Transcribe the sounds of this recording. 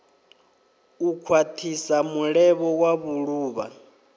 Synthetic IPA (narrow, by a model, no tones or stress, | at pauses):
ukʰwatʰisamuɺɛβɔwaβuɺuːβa̰